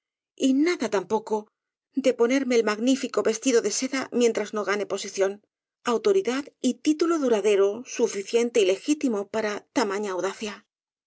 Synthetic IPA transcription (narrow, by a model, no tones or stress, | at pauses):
inaðat̪ampo̞ko̞ | d̪e̞po̞ne̞ɾme̞ːlmaɣnifiko̞βe̞st̪iðo̞ðe̞se̞ðamje̞nt̪ɾazno̞ɣ̞ane̞po̞siθjo̞n | awt̪o̞ɾiðaðit̪it̪ulo̞ðuɾaðe̞ɾo̞sufiθje̞nt̪e̞ile̞xit̪imo̞paɾat̪amaɲaːwðaθja